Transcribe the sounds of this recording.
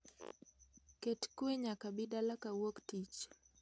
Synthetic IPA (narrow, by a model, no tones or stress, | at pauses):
ketkweɲakabidalakawoktit͡ʃ